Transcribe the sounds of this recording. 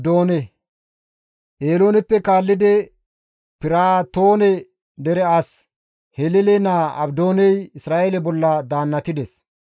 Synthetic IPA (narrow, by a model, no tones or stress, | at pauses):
d̪oːnɛ | ʔeːlo̞ːnɛpːɛkaːlːɪd̪ɛ | pɪɾaːt̪o̞ːnɛ | d̪ɛɾɛɐs | hɛlɛlɛnaːʔɐ̰bd̪o̞ːnɛjɪsɾaːʔeːlɛbɔlːɐd̪aːnːɐt̪ɪd̪ɛs